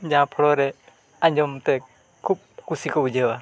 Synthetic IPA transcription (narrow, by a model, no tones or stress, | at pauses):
d͡ʒãpʰɔɽɔɾɛ | ãɲd͡ʒɔmt̪ɛ | kʰup̚kusikɔbud͡ʒawa